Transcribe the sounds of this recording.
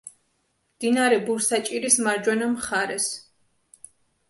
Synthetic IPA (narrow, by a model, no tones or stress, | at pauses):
md̪̥inaɾɛbuɾsat͡ʃʼiɾismaɾd͡ʒwɛnamχaɾɛs